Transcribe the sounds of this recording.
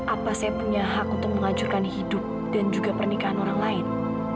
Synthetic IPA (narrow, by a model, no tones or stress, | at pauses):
ʔapasajapuɲaɦak̚unt̪ʊk̚məŋad͡ʒʊrkanhidʊp̚ | d̥and͡ʒuɡapərnikaɦanoɾaŋlaɪn